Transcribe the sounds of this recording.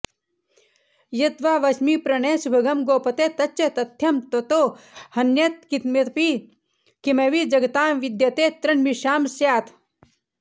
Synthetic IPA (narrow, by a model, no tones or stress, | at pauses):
jɐt̪ʋaːʋɐsmipɾɐneːsubʱɐɡɐmɡoːpɐt̪et̪ɐt͡ʃʃɐt̪ɐt̪ʰjɐmt̪ɐt̪oːhɐnjɐt̪̚kit̪met̪pi | kimeʋid͡ʒɐɡɐt̪aːmʋid̪jɐt̪eːt̪ɾɐnmiʃaːmsjaːt̪ʰ